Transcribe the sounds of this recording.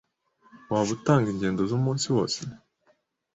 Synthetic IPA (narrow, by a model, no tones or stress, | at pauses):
waːβut̪aːŋɡiɲɟeːnd̪ozomoːnsiwoːsi